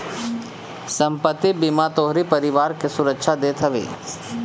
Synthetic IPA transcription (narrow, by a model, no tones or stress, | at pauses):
sɐ̃mpət̪ːibimat̪oːɦɾipɐɾɪʋaːɾkesʊɾəkʃad̪eːt̪ʰəʋḛː